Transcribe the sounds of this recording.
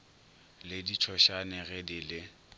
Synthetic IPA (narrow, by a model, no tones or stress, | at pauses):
lɪdit͡ʃʰɔʃanɛɣɛdɪlɪ